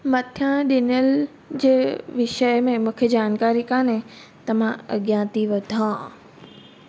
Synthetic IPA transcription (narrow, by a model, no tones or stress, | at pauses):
mɐt̪ʰjãɗɪnəl | d͡ʑeːʋɪʃəjmẽmʊ̃kʰed͡ʑaːnkaːɾikãːnẽ | t̪ɐm̤ãɐ̰ɠjãːt̪iʋɐd̪ʱãː